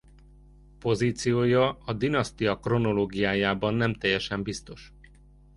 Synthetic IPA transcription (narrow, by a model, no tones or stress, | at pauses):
po̞ziːt̪sijoːjɒɒd̪inɒst̪ijɒkro̞no̞loːɡijaːjaːbɒnːɛmt̪ɛjːɛʃɛmbist̪o̞ʃ